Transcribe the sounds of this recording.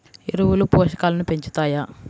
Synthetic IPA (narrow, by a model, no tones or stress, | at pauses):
eɾuwulupɔːʃɐkaːlɐnupe̞ɲt͡ʃu̥t̪aːjaː